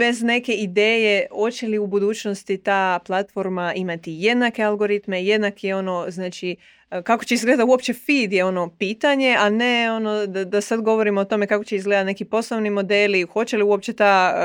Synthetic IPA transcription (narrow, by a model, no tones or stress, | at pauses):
be̞zne̞ke̞id̪eːje̞o̞t͡ɕe̞liubud̪uːt͡ɕnost̪it̪aːplˠat̪fo̞ɾmaimat̪ije̞d̪nake̞alɡo̞ɾit̪me̞je̞d̪nakʰio̞no̞znaːt͡ʃi | kako̞̥t͡ɕeizɡled̪auo̞pt͡ɕe̞fiːd̪jeo̞no̞piːt̪aɲe̞ane̞o̞nod̪ad̪asad̪ɡo̞ʋo̞ɾimoot̪o̞me̞kakot͡ɕeizɡle̞d̪at̪ne̞kipo̞sloʋnimo̞d̪e̞ːlixo̞t͡ɕe̞liuop̚t͡ɕe̞t̪aː